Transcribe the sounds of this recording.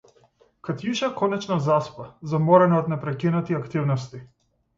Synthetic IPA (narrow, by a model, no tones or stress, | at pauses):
kat̪jiʃakɔnɛt͡ʃnazaspazamɔɾɛnaɔt̪nɛpɾɛkinat̪iakt̪ivnɔst̪i